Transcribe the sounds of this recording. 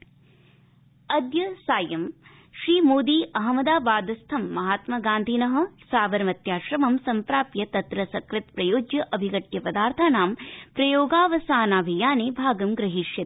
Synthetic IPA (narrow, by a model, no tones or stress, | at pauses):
ɐd̪jɐsaːjɐm | ʃɾiːmoːd̪iːʔɐɦɐmɐd̪aːbaːd̪ɐst̪ʰɐmːɐɦaːt̪mɐɡaːnd̪ʱinɐɦɐ̆saːʋɐɾɐmɐt̪jaːʃɾɐmɐmsɐmpɾaːpjɐt̪ɐt̪ɾɐsɐkɾɪt̪pɾɐjoːd͡ʒjɐʔɐbʱiɡɐʈjɐpɐd̪aːɾt̪ʰaːnaːmpɾɐjoːɡaːʋɐsaːnaːbʱijaːneːbʱaːɡɐmɡɾɐɦiʃjɐ